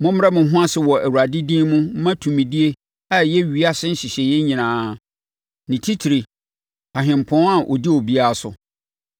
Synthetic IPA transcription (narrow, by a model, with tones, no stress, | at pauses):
mʊ̃˦m˦ɾa˦mʊ̃˨˦ɦʊ̃˦a˦sɪ˨wɔ˨ʔæ˨wu˨ɾa˨dɪ˦dĩː˦mʊ̃˦m̩˦mã˦tʰũ˨mĩ˨di˦e˦ | a˨jɛ˦ɥi˨˦a˦sɪ̃˦n̩˦ɕi˨ɕɛ˨jɛ˦ɲĩ˨nãː˨˦ | nɪ̃˨tʰi˦tʰi˨ɾi˨ | a˨ɦɪ̃˨m˨pʰɔ̃˨˦ã˨ʔɔ̰˨di˦o˨bi˦a˦˨sʊ̰˨